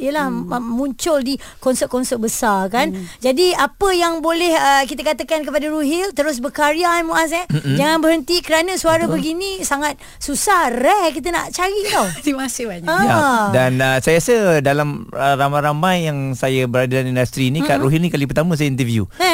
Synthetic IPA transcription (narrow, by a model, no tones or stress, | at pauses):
ijəlahmũɲt͡ʃʊldi | kɔnsət̪̚kɔnsət̚bəsarkand͡ʒadiapəjaŋbolɛhəkit̪əkat̪əkankəpadaɾuɦilt̪əɾʊs̬bəkaɾiamuʔas̬ɛd͡ʒaŋãnbəɦənt̪ikəɾanəsuaɾəbəɡinĩsaŋat̪̚ | susahrɛkit̪̬əna̰ʔt͡ʃaɾit̪ɔhdimasɪbaɲaadanəsajasədalaməɾamajɾamajːaŋsajəbəɾadədanindast̪ɾinĩkaʔɾuɦilnĩkalip̬ərt̪amə̃s̬ajəint̪əvjṵ